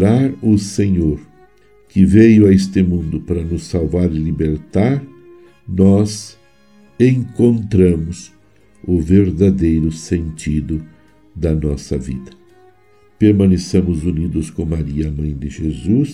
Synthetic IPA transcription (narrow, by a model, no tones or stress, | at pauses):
ɾaɾʊseɲoɾ | kɪvejʊaest̪ɪmũnd̪ʊpaɾɐnʊsːawvaɾɪlibeɾt̪aɾ | nɔz | ẽŋkõnt̪ɾɐ̃mʊs | ʊveɾd̪ad̪ejɾʊsẽnt͡ʃ̪id̪ʊ | d̪ɐnɔsɐ̰vḭd̪ɐ | peɾmɐ̃nesẽmʊzunid̪ʊskõmaɾiɐːmɐ̃j̃d̪ɪʒezus